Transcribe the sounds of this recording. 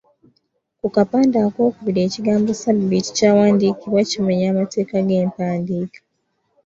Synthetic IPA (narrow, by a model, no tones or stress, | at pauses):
kukapaːndako̞ːkuβiɾe̞ːciɡaːmbo̞sabbiti̥caːwaːndiːkiβacimeɲaːmate̞ːkaɡe̞ːmpaːndiːkḁ